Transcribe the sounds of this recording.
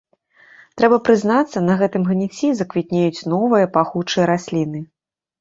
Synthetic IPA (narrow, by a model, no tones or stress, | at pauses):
t̪ɾɛbɐpɾɨznat̪sːɐnɐɣɛt̪ɨmɣnʲit͡sʲizɐkvʲit̪ʲnʲejut͡sʲnɔvɨjɐpaxut͡ʂɨjɐɾasʲlʲinɨ